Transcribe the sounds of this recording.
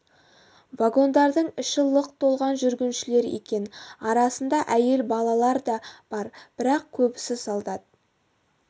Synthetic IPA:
vaɡo̞nd̪ɑɾd̪əɴʏʃəlˠːəqt̪ʰo̞lˠʁɑnʒʏɾɡʲɪnʃɪle̞ɾḛkʲe̞nɑɾɑsənd̪ɑʔæje̞lbɑlˠɑlˠɑɾd̪ɑb̥ɑɾb̥ɪɾɑq̚kʲʰɵbɪsɪsɑlˠd̪ɑd̪ə

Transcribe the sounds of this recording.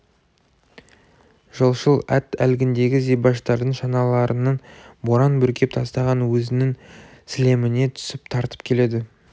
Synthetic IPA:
ʒ̥əlˠʃəlˠæt̪ælɡʲɪnd̪e̞ɡʲɪzijbɑʃt̪ɑɾd̪əɴʃɑnɑlˠɑɾənɑnboɾɑnbɵɾkʲe̞p̚t̪ʰɑst̪ɑʁɑnwɵzɪnɪŋ | sɪle̞mɪne̞t̪ʰʏ̥sɪpt̪ʰɑɾt̪ə̥p̚kʲʰe̞le̞d̪ɪ

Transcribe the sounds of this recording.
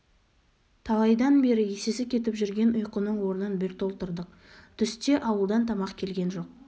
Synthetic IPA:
t̪ʰɑlˠɑjd̪ɑnbe̞ɾɪjesesɪkʲʰe̞t̪ɪpʒʏɾɡʲe̞nʊjqənəɴwo̞ɾənənbɪɾt̪ʰo̞lˠt̪əɾd̪əq | t̪ʰʏst̪e̞ʔɑwəlˠd̪ɑnt̪ʰɑmɑqkʲʰe̞lɡʲe̞nʒo̞q̚

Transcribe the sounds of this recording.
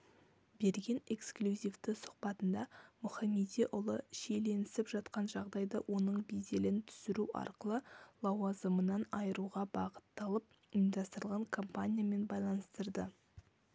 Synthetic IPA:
be̞ɾɡʲe̞ne̞ksklʲuzʲifd̪ɪsʊ̥qpɑt̪ənd̪ɑmʊχɑmed̪iʔʊlˠəʃejle̞nɪsɪpʒɑt̪qɑnʒɑʁd̪ɑjd̪ɑwʔo̞nəɴbejd̪e̞lɪnt̪ʰʏ̥sɪɾuʔɑ̰ɾqəlˠəlˠɑwɑzəmənɑnɑjəɾuʁɑbɑʁə̥t̪ːɑlˠəp̚ | md̪ɑst̪əɾəlˠʁɑŋkʰo̞mpanʲijame̞nbɑjlˠɑnəst̪əɾd̪ə

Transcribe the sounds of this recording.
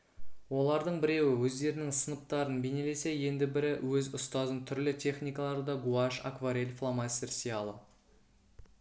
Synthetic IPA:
wo̞lˠɑɾd̪əɴbɪɾe̞wɪwɵzd̪e̞ɾɪnɪŋsənəp̚t̪ɑɾənbene̞le̞se̞je̞nd̪ɪbɪɾɪwɵzʊst̪ɑzənt̪ʰʏɾlɪt̪ʲʰe̞χnʲijkɑlˠɑɾd̪ɑɡuaʃa̰kvaɾe̞lʲflˠamɑsersijɑlˠə

